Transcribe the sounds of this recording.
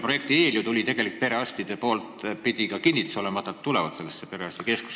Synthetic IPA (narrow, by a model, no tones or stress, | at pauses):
pro̞je̞k̚t̪ieːlʲjut̪ulʲit̪e̞ɡ̥e̞lik̪̚pe̞ɾe̞ɑst̪id̪̥e̞po̞ːlt̪pid̪ikɑkinʲːit̪u̥so̞lemɑt̪ːˑɑt̪t̪ːulevɑt̪se̞lːesːepe̞ɾe̞ɑsʲt̪ikesku̥s